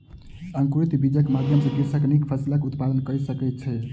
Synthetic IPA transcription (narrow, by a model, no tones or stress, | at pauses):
əŋkɾit̪bid͡ʒəkmad̪ʱjəmsə̃ɡiɾsəknikpʰəsilakut̪pad̪ənkəjsəkɛt̪̚t͡ʃʰɛ